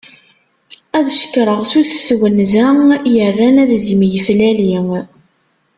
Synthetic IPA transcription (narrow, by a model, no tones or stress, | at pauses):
æðʃə̥kːɾˤəʁsuθswənzæjərːænævzimjəflæli